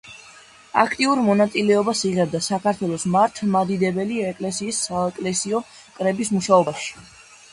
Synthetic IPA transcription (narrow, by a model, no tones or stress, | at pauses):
a̰kʰt̪ʼiuɾmɔnat̪sʼilɛɔbasiʁɛb̚d̪asakʰaɾt̪ʰwɛlˠɔsmaɾt̪ʰmad̪id̪ɛbɛliɛkʼlɛsiːsːaɛkʼlɛsiɔ | kʼɾɛbismuʃaɔbaʃi̥